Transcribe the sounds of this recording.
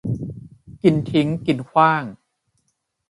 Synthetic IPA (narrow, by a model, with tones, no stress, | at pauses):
ki˨˧nt̪ʰi˦˥ŋki˨nkʰwaː˥˩ŋ